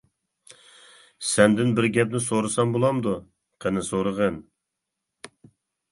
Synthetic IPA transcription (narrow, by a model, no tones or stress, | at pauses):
sɛnd̪ɪnbɪɾɡʲɛp̚nɪsoɾɨsɑmbolˠɑmd̪u | qʰənɪsoɾəʁən